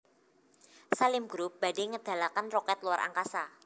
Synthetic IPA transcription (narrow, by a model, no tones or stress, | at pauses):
salɪmɡ̥ɾup̚b̥a̤deŋəd̪̥a̤lakanrɔkɛt̪luwaɾʔa̰ŋkasa